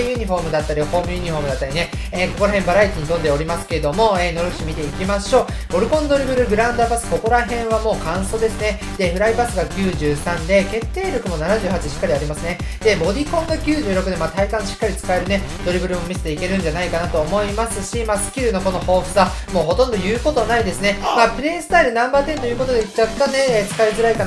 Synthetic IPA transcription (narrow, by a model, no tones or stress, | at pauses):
jɯ̟ɲ̟iɸo̞ːmɯ̟d̪at̪ːaɾiho̞ːmɯ̟jɯ̟ɲ̟iɸo̞ːmɯ̟d̪at̪ːaɾʲine | eːko̞ko̞ɾaɦẽ̞mbaɾait̪iɲ̟it̪ond̪e̞o̞ɾʲimasɨ̥ke̞ed̪o̞mo̞eːno̞ɾɯ̟ç̥ɕimʲit̪e̞ikʲimaɕo̞ː | bo̞ɾɯ̟kõ̞nd̪o̞ɾʲibɯ̟ɾɯ̟ɡɯ̟ɾãnd̪abasɨ̥ko̞ko̞ɾaɦẽ̞ɰ̃βamo̞ːkãɰ̃so̞ːd̪e̞sɨne̞ | d̪̥e̞ɸɯ̟ɾaibasɨɡakʲɨːʑɨːsãnd̪e̞ke̞t̪ːe̞ːɾʲjo̞kɯ̟mo̞nanaʑɨːhat͡ɕiɕi̥kːaɾʲiaɾʲimasɨne | d̪̥e̞mo̞d̪ʲikõ̞ŋɡakʲɨːʑɨːɾo̞kɯ̟d̪e̞mat̪aikãɰ̃ɕi̥kːaɾʲit͡sɨ̥kae̞ɾɯ̟ne̞d̪̥o̞ɾʲibɯ̟ɾɯ̟mo̞mʲise̥t̪eike̞ɾɯ̟̃ɲ̟d͡ʑanaikanat̪o̞ːmo̞imasɨɕimaːsɨ̥kʲiɾɯ̟no̞ko̞no̞ho̞ːɸɯ̥sa | moːɦo̞t̪õnd̪ojɯːko̞t̪o̞naid̪e̞sɨne̞maːpɯ̟ɾẽ̞ːsɨ̥t̪aiɾɯ̟nãmbaːt̪ẽ̞nt̪o̞jɯːko̞t̪o̞d̪e̞it͡ɕat̪ːane̞et͡sɨ̥kaizɨɾaikan